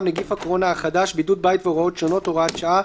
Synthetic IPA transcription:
mneɡifhakoʁo̞naaχad̪aʃbidud̚bait̪veoʁao̞t̪ʃono̞toʁat̪ʃaa

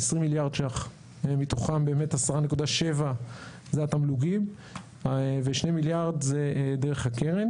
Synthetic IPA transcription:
esʁimiljaʁd̪ʃaχ | emit̪oχanbe̞ːme̞tasaʁane̞kud̪aʃe̞va | zeat̪amluɡim | veʃnemiljaʁd̪zeʔd̪eʁe̞χakeʁen

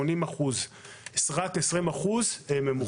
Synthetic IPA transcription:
onimaχuzesʁat̪esʁimaχuzememu

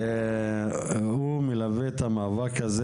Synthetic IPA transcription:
humilavet̪amavakaze

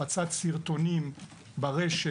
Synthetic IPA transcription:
at͡satsiʁt̪o̞nim | baʁeʃe

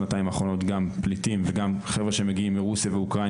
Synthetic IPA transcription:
nataimaːχʁo̞no̞tɡamplitimveɡamχevʁeʃemeɡiimːiʁusijaveukʁa

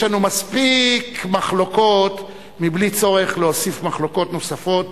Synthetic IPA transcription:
lanumaspikmaχloko̞t̪ | miblit͡so̞ʁe̞χleosifmaχlo̞ko̞t̪no̞safo̞t̚

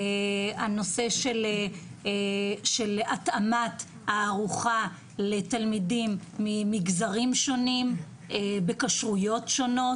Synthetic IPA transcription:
eano̞se̞ʃel | ʃelatamat | haːʁuχa | letalmidimːimiɡzaʁimʃo̞nim | ebe̞kaʃʁujo̞tʃo̞no̞

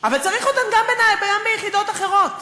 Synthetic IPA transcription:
avalt͡saʁiχot̪anɡambenajbeɡambejeχid̪o̞taχe̞ʁo̞t

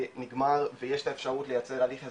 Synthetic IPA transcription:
niɡmaʁvejeʃtaefʃaʁutle̞jat͡se̞ʁaliχa

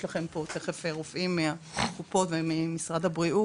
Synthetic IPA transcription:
laχempot̪eχefeʁofʔimːeaχupo̞tvemimisʁad̪abʁiʔu

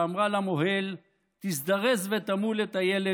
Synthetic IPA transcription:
amʁalamoɦel | t̪isd̪aʁezvet̪amulet̪ajele

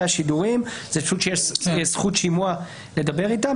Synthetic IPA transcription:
aʃiduʁimzeaʃuʃejesχutʃimua | le̞d̪abe̞ʁita

